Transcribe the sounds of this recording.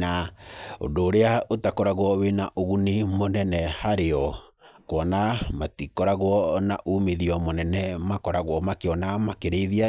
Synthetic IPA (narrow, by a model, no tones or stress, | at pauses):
nao̰ndoːɾeaotakɔɾaɣwɔwenaʔoɣunimonɛnɛhaɾeɔkwɔnamatikɔɾaɣwɔnaʔumeðiɔmonɛnɛmakɔɾaɣwɔmakeɔnamakeɾeiðia